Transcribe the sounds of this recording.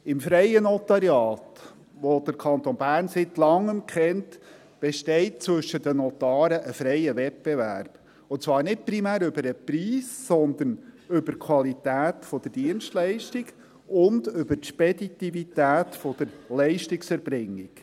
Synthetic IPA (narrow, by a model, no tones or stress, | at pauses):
ɪmfɾɛɪənɔt̪ɑɾjɑːt | ʋod̪̥əɾkʰɑnt̪onbæːɾnsɪtlɑŋːəmkʰχɛnt | b̥ɛʃtɛɪt̚t͡sʋɵʃːəd̥̪ənɔt̪ɑːɾəʔəfɾɛɪəvɛt̚b̥evæ̰ɾb̥ | ʊt͡sʋɑːɾnɪt̚pɾimæːɾʏbəɾəpɾiːsːɔnd̪ənʏbəɾkʰwɑlit̪æːt̪fɔd̥̪əd̥iənʃtlɛɪʃtiɡ | ʊndʏbəɾtʃpɛdit̪ivitæːtfɔd̥əɾlɛɪʃtɪksɛɾbɾɪŋːiɡ